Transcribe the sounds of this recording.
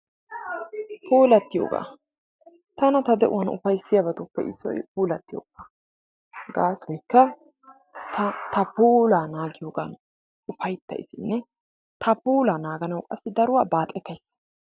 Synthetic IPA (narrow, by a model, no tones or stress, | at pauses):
pʰoːlɐt̪ːɪjo̰ːɡa̰ː | t̪ɐnɐt̪ɐd̪ɛ̰ʔʊ̰wɐnʊ̰fɐjsːɪjɐbɐt̪ʊkːɐ̰ʔɪ̰sːɔ̰j̰puːlɐt̪ːɪjo̰ːkʼːɐ̥ː | ɡaːsɔjkːɐ | t̪ɐt̪ɐpuːlaːnaːɡɪjoːɡaːn | ʊfɐjt̪ːɐ̰jsɪnːɛ | t̪ʰɐpuːlaːnaːɡɐnɐwkʼɐsːɪd̪ɐɾʊwaːbaːt̪ʼːɛt̪ɐjs